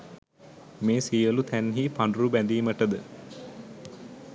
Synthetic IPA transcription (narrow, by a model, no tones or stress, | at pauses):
meːsijəlut̪ʰænɦipaɳɖrubænd̪iːməʈəd̪ə